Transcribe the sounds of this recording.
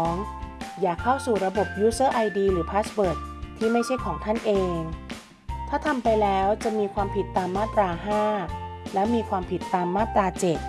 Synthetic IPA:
ŋjaː˨˩kʰːa˥˩wsuː˨˩ɾa˧bo˨˩p̚juː˦˥sɤː˥˩ʔa˧jdiː˧ɾɯː˩˦pʰaː˦˥sbɤː˨˩t̪̚ʰːiː˥˩ma˥˩jt͡ɕʰa˥˩jkʰɔː˩˦ŋt̪ʰa˥˩nʔeː˧ŋ | t̪ʰaː˥˩t̪ʰa˧mpa˧jlɛː˦˥wt͡ɕa˨˩miː˧kʰwaː˧mpʰi˨˩t̪ːaː˧mːaː˥˩t̪ɾaː˧ɦaː˥˩lɛː˦˥wmiː˧kʰwaː˧mpʰi˨˩t̪ːaː˧mːaː˥˩t̪ɾaː˧t͡ɕe˨˩t̪̚

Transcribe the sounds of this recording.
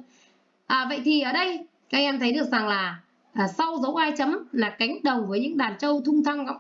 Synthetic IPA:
ʔəː˨˩və̰˧˨jt̪ʰi˨˩ʔəː˧˩ɗə˧j | kaː˨˧ʔɛ˧mt̪ʰə˨˦jɗɨ˨˩ək̚za˨˩ŋlaː˨˩ | ʔəː˨˩sa˧wzə˨˦wʔaː˧jt͡ɕə˨˦mlaː˨˩ka˨˦jŋ̟ɗə˨˩wvəː˨˦jɲɨ̰˧˥ŋɗaː˨˩nt͡ɕə˧wt̪ʰʊ˧ŋ͡mt̪ʰa˧ŋ̰˧˥

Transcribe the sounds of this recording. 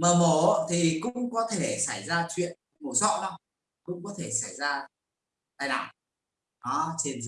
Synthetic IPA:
məː˨˩mo˨˩t̪ʰi˨˩kʊ̰˧˥ŋ͡mkɔ˨˦t̪ʰe˧˩sa˧˩jzaː˧t͡ɕwḭ˧˨ən | mo˨˩sɔ̰˧˨nə˧˩w | kʊ̰˧˥ŋ͡mkɔ˨˦t̪ʰe˧˩sa˧˩jzaː˧ | t̪aː˧jlaː˨˩ | ʔɔ˨˦t͡ɕe˧n

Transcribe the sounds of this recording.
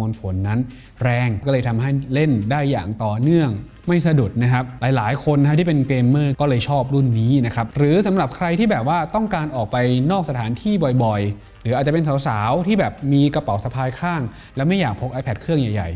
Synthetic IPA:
u˧npʰo˩˦nːa˦˥n | ɾɛː˧ŋkɔ˥˩lɤː˧jt̪ʰa˧mɦa˥˩jle˥˩ndaː˥˩jːa̰ː˨˩ŋt̪ɔː˨˩nɯ˥˩əŋ | ma˥˩jsa˧du˨˩t̪̚na˦˥kʰa˦˥p̚laː˨˦jlaː˩˦jkʰo˧nːʰa˦˥iː˥˩pe˧nkeː˧mːɤː˥˩kɔː˥˩lɤː˧jt͡ɕʰɔː˥˩p̚ɾu˥˩nːiː˦˥na˦˥kʰa˦˥p̚ɾɯː˩˦sa˨˩˦mɾa˨˩p̚kʰɾa˧jt̪ʰiː˥˩bɛː˨˩p̚waː˥˩t̪ɔ˥˩ŋkaː˧nʔɔː˨˩k̚pa˧jnɔː˥˩k̚sa˧t̪ʰaː˩˦nt̪ʰiː˥˩bɔ˨˩jbɔ˨˩j | ɾɯː˩˦ʔa˨˩t̪̚t͡ɕa˨˩pe˧ns̬a˨˩˦wsaː˩˦wt̪ʰiː˥˩bɛː˨˩p̚miː˧ka˧pa˨˦wsa˧pʰaː˧jkʰaː˥˩ŋ | lɛ˦˥wma˥˩jːaː˨˩k̚pʰo˦˥k̚ʔaː˧jpʰɛ˨˩t̪̚kʰɾɯ˥˩əŋja˨˩jːa̰˨˩j

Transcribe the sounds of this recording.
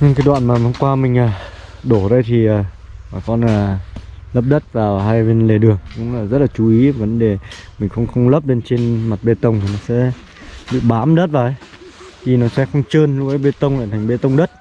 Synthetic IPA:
ɲɨ˧ŋkaː˨˦jɗwa̰ː˧˨nmaː˨˩va˨˦ŋ͡mkwaː˧mï˨˩ŋ̟aː˨˩ɗo˧˩zə˧jt̪ʰi˨˩aː˨˩ | aː˨˩kɔ˧naː˨˩lə˦˥p̚ɗə˦˥t̚vaː˨˩wɦa˧jve˧nle˨˩ɗɨ˨˩əŋkʊ̰˧˥ŋ͡maː˨˩zə˦˥t̚laː˨˩t͡ɕu˨˦ʔi˨˦˨və˨˦nɗe˨˩mï˨˩ŋ̟xə˧wŋ͡mxə˧wŋ͡mlə˦˥p̚le˧nt͡ɕe˧nma˨˩t̚ɓe˧t̪ə˧wŋ͡mt̪ʰi˨˩nɔ˨˦sɛ̰˧˥ | ɓḭ˧˨ɓaː˨˦mɗə˦˥t̚vaː˨˩ʔə˨˦j | t̪ʰi˨˩nɔ˨˦sɛ̰˧˥xə˧wŋ͡mt͡ɕəː˧nlʊ˧˥ʔə˨˦jɓe˧t̪ə˧wŋ͡mla̰ː˧˨t̪ʰa˨˩ŋ̟ɓe˧t̪ə˧wŋ͡mɗə˦˥t̚

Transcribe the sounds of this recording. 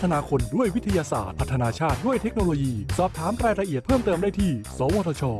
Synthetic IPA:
t̪ʰːa˧naː˧kʰo˧ndu˥˩əjwi˦˥t̪ʰa˧jaː˧sa̰ː˨˩t̪̚ʰa˦˥t̪ʰːa˧naː˧t͡ɕʰaː˥˩t̪̚du˥˩əjt̪ʰe˦˥k̚noː˧loː˧jiː˧sɔː˨˩p̚t̪ʰaː˩˦mɾaː˧jɾa˧ʔi˨˩ət̪̚pʰɤː˥˩mt̪ɤː˧mdaː˥˩jt̪ʰiː˥˩sɔː˨˦woː˧t̪ʰɔː˧t͡ɕʰɔː˧

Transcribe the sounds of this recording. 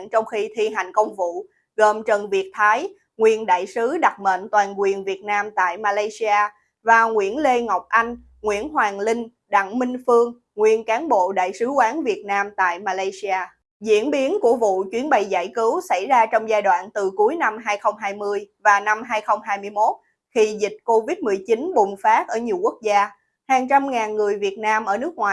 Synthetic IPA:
nt͡ɕɔ˧wŋ͡mxi˧t̪ʰi˧ɦa˨˩jŋ̟kə˧wŋ͡mvṵ˧˨ | ɣəː˨˩mt͡ɕə˨˩nvi˨˩ət̚t̪ʰaː˨˦j | ŋwi˨˩ənɗa̰ː˧˨jsɨ˨˦ɗa˨˩k͡p̚mə̰ː˧˨nt̪waː˨˩nkwi˨˩ənvi˨˩ət̚naː˧mt̪a̰ː˧˨jmaː˧laː˧jsi˧aː˧ | vaː˨˩ŋwḭ˧˥ənle˧ŋa˨˩wk͡p̚ʔa˧jŋ̟ | ŋwḭ˧˥ənɦwaː˨˩ŋlï˧ŋ̟ | ɗa̰˧˨ŋmï˧ŋ̟fɨ˧əŋ | ŋwi˨˩ənkaː˨˦nɓo̰˧˨ɗa̰ː˧˨jsɨ˨˦kwaː˨˦nvi˨˩ət̚naː˧mt̪a̰ː˧˨jmaː˧laː˧jsi˧aː˧ | zḭ˧˥ənɓi˨˦ənku˧˩əvṵ˧˨t͡ɕwi˨˦ənɓə˨˩jza̰ː˧˩jkɨ˨˦wsa˧˩jzaː˧t͡ɕɔ˧wŋ͡mzaː˧jɗwa̰ː˧˨nt̪ɨ˨˩ku˨˦əjna˧mɦaː˧jxə˧wŋ͡mɦaː˧jmɨ˧əjvaː˨˩na˧mɦaː˧jxə˧wŋ͡mɦaː˧jmɨ˧əjmo˦˥t̚ | xi˧zï˨˩k̚ko˧vi˦˥t̚mɨ˨˩əjt͡ɕi˨˦nɓʊ˨˩ŋ͡mfaː˦˥t̚ʔəː˧˩ɲi˨˩əwku˦˥ək̚zaː˧ | haː˨˩ŋt͡ɕa˧mŋaː˨˩nŋɨ˨˩əjvi˨˩ət̚naː˧mʔəː˧˩nɨ˦˥ək̚ŋwaː˨˩

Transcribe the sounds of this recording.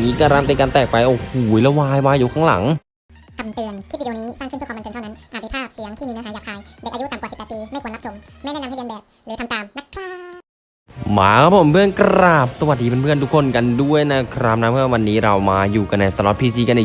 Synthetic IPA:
miː˧kaː˧ɾaː˧nt̪iː˧kaː˧nt̪ɛː˨˩k̚pa˧jʔɔː˨˩huː˩˦jlɛ˦˥waː˧jwaː˧juː˨˩kʰɔː˨˩˦ŋla̰˩˦ŋ | t̪ʰa˧˩mt̪ɯ˧ənt͡ɕʰi˥˩i˨˩˨niː˦˥saː˥˩kʰɯ˥˩˨m˧pe˧nʰa˥˩na˦˥nʔaː˨˩˧i˧˩pʰaː˥˩p̚si˨˦əŋt̪ʰiː˥˩iː˧nː˧˥ɦa˨˦jaː˨˩hʰaː˧jdɛ˨˩k̚ʔa˧ju˦˥t̪a˨mkwsi˨˩pːt̪piː˧ma˥˩kwːna˦˥so˨˩˦m | ma˥˩nɛː˥na˧˥hʰa˥˩˧bɛː˨˩p̚lɛ˨˦t̪ʰa˧mt̪aː˨˩mna˦˥t̚kʰɾaː˥˩ | ma̰ː˨˦kʰa˦˥pʰo˨˩˦mpʰɯ˥˩ənkɾaː˨˩p̚sa˧wa˨˩t̚diː˧pe˧npʰɯ˥˩ənt̪u˦˥kʰːo˧˥˨nka˧ndu˥˩əjna˦˥kʰɾaː˧˩p̚na˦˥pʰɯ˥˩˧wa˧nːiː˦˥ɾa˧wmaː˧juː˨˩ka˧nːa˧˩sa˨˧˦lɔ˨˧˩pʰiː˧siː˧ka˧na˧˩

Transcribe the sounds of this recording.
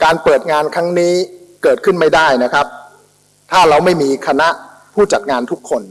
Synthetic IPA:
kaː˧npɤː˨˩t̪̚ŋaː˧nkʰɾa˦˥ŋniː˦˥kɤː˨˩t̪̚kʰɯ˥˩nma˥˩jdaː˥˩jna˦˥kʰɾa˦˥p̚ | t̪ʰaː˥˩ɾa˧wma˥˩jmiː˧kʰa˧na˦˥ʔ | pʰuː˥˩t͡ɕa˨˩t̪̚ŋaː˧nt̪ʰu˦˥kʰːo˧n

